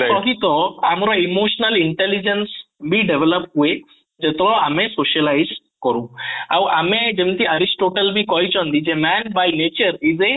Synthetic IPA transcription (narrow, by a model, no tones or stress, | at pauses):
sɔɦit̪ɔamɾɔimoʃnəliɳʈelid͡ʒensbʱiɖeʋeləp̚ʈɦue | d͡ʒet̪ɾɔamesoʃəlaiz | kɔɾũawʔamed͡ʒemt̪iəɾisʈoʈəlbʱikɔɦit͡ʃɔ̃nd̪id͡ʒemɛnbajnet͡ʃəɾize